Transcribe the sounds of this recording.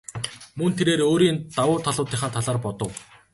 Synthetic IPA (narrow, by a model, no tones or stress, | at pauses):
mɵnt̪ʰeɾeːɾoːɾiːnt̪awʊːt̪ʰaɮʊːt̪iːχaːnt̪ʰaɮaːrpɔt̪ɞ̆w